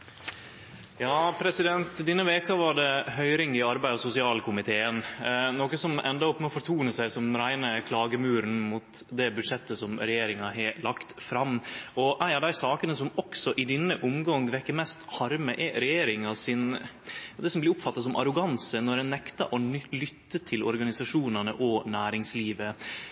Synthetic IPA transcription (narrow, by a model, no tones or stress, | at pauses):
jɑːpʰɾɛsɪd̪ɛnt̪d̪ɛnːəʋeːkɑʋɑɖɛhœʏɾɪŋɪɑɾbæɪɔsʊsɪɑːlkʰʊmɪt̪ʰeːənnɔkəsɔmɛ̰nd̪ɑɔpːmɛɔfɔɾt̪ʰuːnəsæɪsɔmɾæɪnəkʰlɑːɡəmʉːɾn̩mut̪d̪ɛbʉd̪ʂɛt̪ːəsɔmɾɛjeːɾɪŋɑɦɛlɑkt̪fɾɑmɔʔæɪɑɾɖ̪æɪsɑːkənəsɔmɔksɔʔɪd̪ɪnːəʔʊmɡɑŋʋɛkːəmɛst̪hɑɾməʔɛɾɛjeːɾɪŋɑsɪnjɑːd̪ɛsɔmblɪɾʊpfɑt̪ːɑs̬ɔmʔɑ̰ɾʊɡɑnsənɔɾɛnːɛkt̪ɑ̰ʔɔnlʏt̪ːət̪ʰɪlɔ̰ɾɡɑnɪsɑʂuːnənəʔɔnæːɾɪŋsliːʋə